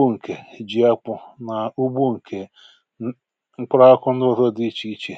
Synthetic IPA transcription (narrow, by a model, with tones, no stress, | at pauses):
u˦ŋ̩˨kʰe˨d͡ʒi˨˦a˦k͡pʊ˨na˨u˦bu˦ŋ̩˨kʰe˨ | ŋ͡m̩˦k͡pɾa˦kʊ˦n̩˦do˦ðo˦di˦t͡ʃi˦t͡ʃi˨